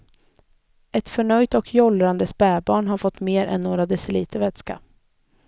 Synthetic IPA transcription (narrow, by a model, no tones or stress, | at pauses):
ɛt̪fœɳœjt̪ɔkʰjɔlɾand̪əspɛːbɑːɳɦaɾfɔt̪ːmeːɾɛ̰nːoːɾad̪ɛsɛliːt̪əvɛt̪ska̰